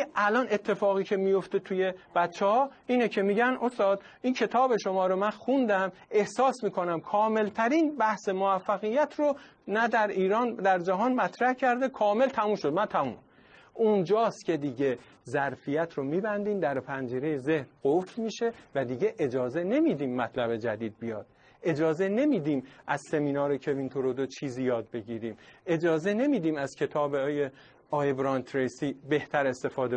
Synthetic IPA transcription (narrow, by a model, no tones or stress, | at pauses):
ælɒnʔe̞t̪ʰːe̞fɒːɣiːcʰe̞mijo̞ft̪et̪ʰuje̞b̥æt̪t͡ʃʰːehɒːiːnecʰe̞miːɟænost̪ɒːd̪ | iːncʰe̞t̪ʰɒːbe̞ʃo̞mɒːɾomænxund̪æme̞hsɒːsmiːkʰonæmkʰɒːme̞lt̪ʰæɾiːnbæhsemoæfːæɣijːæt̪ʰro | næd̪æɾiːɾɒːnd̪æɾd͡ʒæɦɒːnmæt̪ʰɾæhcʰæɾd̪ekʰɒːme̞lt̪ʰæmuːmʃo̞d̪mænt̪ʰæmṵːm | ʔund͡ʒɒːst̪cʲʰe̞d̪iːɟe̞ | zæɾfijæt̪ʰɾomiːbænd̪iːmd̪æɾpʰænd͡ʒiːɾe̞jeze̞hɾɡofɾmiːʃe̞væd̪iːɟe̞ʔed͡ʒɒːze̞ne̞miːd̪iːmːæt̪ʰlæbe̞d͡ʒæd̪iːd̪̚bijɒːd̪̥̚ | ʔe̞d͡ʒɒːzene̞miːd̪iːmʔæzse̞miːnɒːɾecʰe̞vint̪ʰoɾod̪ot͡ʃʰiːzijɒːd̪̚be̞ɟiːɾiːme̞d͡ʒɒːze̞ne̞miːd̪iːmæz̥cʰe̞t̪ʰɒːbeje | ɒːjebɾɒːnt̪ʰɾesiːbe̞ht̪ʰæɾe̞st̪e̞fɒːd̪e